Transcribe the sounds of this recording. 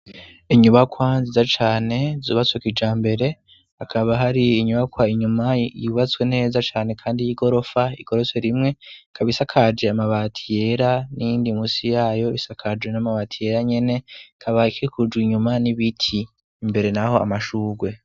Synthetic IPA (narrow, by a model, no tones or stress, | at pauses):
iɲuβakwanzizat͡ʃaːne̞zṵːβat͡swekid͡ʒaːmbe̞ɾe̞ | hakʰaβaɦaɾiːɲuβakwaiɲumajuβat͡swe̞ne̞ːzat͡ʃaːne̞kʰaːndijiɡo̞ɾo̞faḭɡ̥o̞ɾo̞seɾimŋe̞kʰaβisakʰad͡ʒe̞amaβatʰije̞ɾanijiːndimusijaːjo̞isakʰad͡ʒwe̞namaβatʰije̞ɾaɲe̞ne̞kʰaβaikiɾikʰud͡ʒɡwiɲumaniβitʰiː | mbe̞ɾe̞naho̞a̰maʃuːɡwe̞